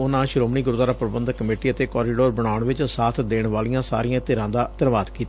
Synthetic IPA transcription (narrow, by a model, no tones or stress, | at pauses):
ʊnãːʃɾoːmɳiːɡʊɾd̪aːɾaːpɾəbə̃nd̪kːəmeːʈiːət̪eːkɔːɾiːɖoːɾbəɽ̃aːʊɳʋɪt͡ʃsaːt̪ʰd̪eːɳʋaːlijãːsa̰ːɾijãːt̪eːɾãːd̪aːt̪əɾʋaːd̪kiːt̪ː